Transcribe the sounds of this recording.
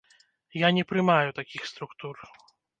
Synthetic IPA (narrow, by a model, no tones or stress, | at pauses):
janʲɛpɾɨmajut̪akʲixst̪ɾukt̪ur